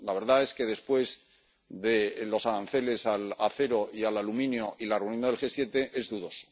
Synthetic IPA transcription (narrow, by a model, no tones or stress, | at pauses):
laβe̞ɾðae̞ske̞ðe̞spwe̞z | ðe̞lo̞saɾanθe̞le̞salaθe̞ɾo̞ialalumĩnjoʔilareunjonðelxe̞sje̞t̪e̞ʔe̞zðuðo̞so̥